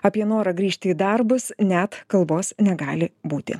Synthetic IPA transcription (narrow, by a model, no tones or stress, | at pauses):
ɐpʲiɛnoːɾɐɡɾʲiːʃʲt̪ʲɪid̪ɐrbʊsnʲæt̪kɐlˠboːsnʲɛɡɑːlʲɪbuːt̪ʲɪ̰